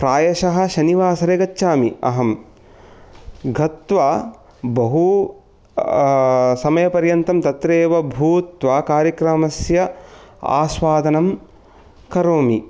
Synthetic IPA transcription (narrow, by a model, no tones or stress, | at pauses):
pɾaːjɐʃɐɦɐ̆ʃɐniʋaːsɐɾeɡɐtːʃaːmiɐ̰ɦɐm | ɡʱɐt̪ʋaː | bɐɦu | sɐmɐjɐpɐɾjɐnt̪ɐmt̪ɐt̪ɾeːʋɐbʱuːt̪ʋaːkaːɾjɐkɾɐmɐsjɐa̰ːʃʋaːd̪ɐnɐm | kɐɾoːmi